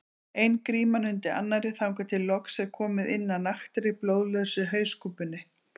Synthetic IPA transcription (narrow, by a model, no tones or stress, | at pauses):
ejnkɾiːmanʏnt̪ɪʔa̰nːaɾɪθawŋkat̪ʰɪlːɔksɛɣkʰɔːmɪðɪnːanaxt̪ɪɾɪploːwðlœðsʏɦœːɥskuːpʏnːɪ